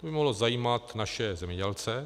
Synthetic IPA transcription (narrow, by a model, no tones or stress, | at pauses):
obɪmoɦlozajiːmat̪naʃɛzɛmɲɛɟɛlt͡sɛ